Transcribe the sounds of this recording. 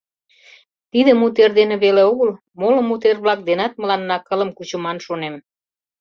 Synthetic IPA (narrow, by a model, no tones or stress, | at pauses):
t̪id̪ə̆mut̪̬erd̪enĕβeleoɣəl | molɤ̆mut̪̬erβlɑk̚d̪enɑt̪̚mə̆lɑnːɑkə̆lə̆mkut͡ɕumɑnʃonem